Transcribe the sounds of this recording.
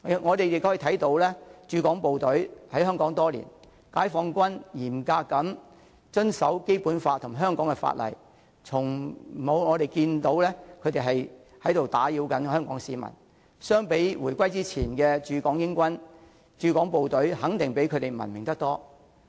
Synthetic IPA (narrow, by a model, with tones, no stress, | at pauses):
ŋɔː˨˧t̪e˨jɪ˨k̪̚ːʰoː˨˥˨t̪ʰɐ˨˥jt̪o˨˥wlɛː˥t͡ʃyː˧kɔː˨˥ŋpo˨wt̪ɵ˨˥ɥhɐ˨˥jɦœː˥ŋkɔː˨˥ŋt̪ɔː˥lḭ˨˩n | kaː˨˥jfɔː˧ŋkʷɐ˥njiː˨˩mkaː˧kːɐ˨˥m | t͡ʃɵ˥nsɐ˨˥wke˥jpuː˨˥nfaː˧t̪ʰʊ˨˩ŋɦœː˥ŋkɔː˨˥ŋkɛ˧fa̰ː˧t̚lɐ̰˨˩j | t͡sʰʊ˨˩ŋ˨mo˨˧wŋɔː˨˧ɾe˨jkiː˧nt̪o˨˧˥wlɛː˥kʰɵ˨˧t̪e˨jɦɐ˨j | hɐ˨˥jt̪o˨wt̪aː˨˥jiː˨˧wkɐ˨˥nhœː˥ŋkɔː˨˥ŋsiː˨˧mɐ̰˨˩n | sœː˥ŋpe˨˥jwuː˨˩jkʷɐ˥jt͡siː˥t͡sʰiː˨˩nkɛː˧t͡ʃyː˧kɔː˨˥ŋjɪ˥ŋkʷɐ˥n | t͡ʃyː˨˧kɔː˨˥ŋpo˨wt̪ɵ˨˥ɥhɐ˨˥ŋt̪ɪ˨ŋpe˨˥jkʰɵ˨˧t̪e˨jmɐ̰˨˩nmɪ˨˩ŋt̪ɐ˥k̚t̪ɔː˥